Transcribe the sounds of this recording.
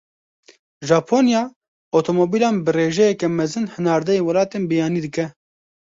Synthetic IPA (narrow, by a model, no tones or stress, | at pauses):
ʒɑːpʰoːnjɑː | ot̪ʰoːmoːbiːlɑːnbɨreːʒɛjɛkɛmɛzɨnhɨnɑːɾd̪ɛjeːwɐlɑːt̪eːnbɨjɑːniːd̪ɨkɛ